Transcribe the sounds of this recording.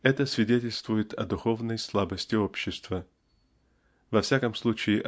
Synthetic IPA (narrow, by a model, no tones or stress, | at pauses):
ɛt̪əsvʲɪdʲetʲɪlʲst̪vʊjɪt̪ʰɐd̪ʊxo̞vnəjslˠabəsʲtʲɪopɕːɪst̪və | vɐfsʲakəmslˠut͡ɕɪːɪʔ